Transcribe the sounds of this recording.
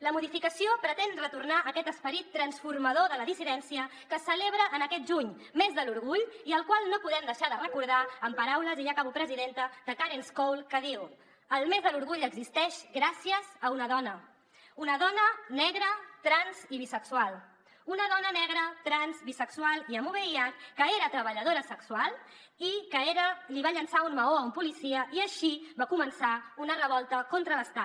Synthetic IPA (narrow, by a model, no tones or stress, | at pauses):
ləmuðifikəsiopɾət̪enrət̪urnaʔəkɛt̪əspəɾit̪ːɾənsfurməðoðələðisiðɛnsiəkəsəleβ̞ɾəʔːnəkɛt̪̚ʒuɲ | mezðəluɾɣuʎiəlˠkwalˠnopuðɛmd̪əʃaðərəkuɾð̞aəmpəɾawləziʎakaβupɾəziðent̪əd̪əkaɾenskowlˠkəðiw | əlˠmezðəluɾɣuʎəɡzist̪ɛʃɣɾasiəzəunəðɔnə | unəðɔnənɛɣ̞ɾət̪ɾanziβisəksualˠ | unəðɔnənɛɣɾət̪ɾanzβisəksualˠiəmuβejat̪kəeɾət̪ɾəβəʎəð̞oɾəsəksualˠ | ikəeɾəliβaʎənsaunməoəumpulisiəʔiəʃiβakumənsaunərəβ̞ɔlˠt̪əkont̪ɾələst̪a